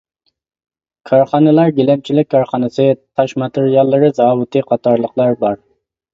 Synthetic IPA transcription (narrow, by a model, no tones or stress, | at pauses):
kʰɑɾχɑnɨlˠɑɾɡʲelɛmt͡ʃʰilɪk̚ʲkʰːɑɾχɑnɨsɨt̪ʰɑʃmɑt̪ʰɪɾijɑlˠːɨɾɨzɑːwut̪ʰɨqʰɑt̪ʰɑɾlˠəqlˠɑɾbɑɾ